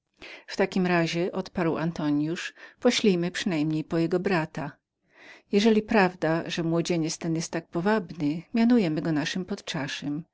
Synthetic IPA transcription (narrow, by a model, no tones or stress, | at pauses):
ft̪akʲimɾaʑɛʔɔt̪paɾwa̰nt̪ɔɲjuʂpɔɕlʲijmɘpʂɘnajmɲejpɔjɛɡɔbɾat̪a | jɛʐɛlʲipɾavd̪aʐɛmwɔd͡ʑeɲɛt̪st̪ɛnjɛst̪ːak̚pɔvabnɘmʲjanujɛmɘɡɔnaʂɘmpɔt̪t͡ʂaʂɛm